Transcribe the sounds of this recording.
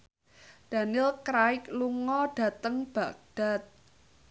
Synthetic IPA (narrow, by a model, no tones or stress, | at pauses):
d̪̥a̤nɪlkɾaɪk̚luŋɔɖ̥ä̤t̪əŋb̥ä̤ʔ̚d̥a̤t̪̚